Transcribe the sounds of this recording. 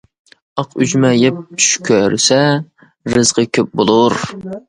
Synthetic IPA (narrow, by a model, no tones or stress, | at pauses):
ɑqyd͡ʒmɛjɛp̚t͡ʃʰy̥ʃkʲʰøɾsɛ | ɾɨzʁəkʲʰøp̚bolˠʊɾ